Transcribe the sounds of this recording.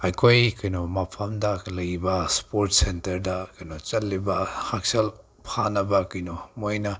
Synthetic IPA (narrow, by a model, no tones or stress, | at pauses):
ɐjkʰojkɐjnomɐpʰɐmdɐlɐjibɐspoɾtsentɐɾdɐkɐjnot͡ʃɐlːibɐhak̚sɐl | pʰanɐbɐkɐjnomojnɐ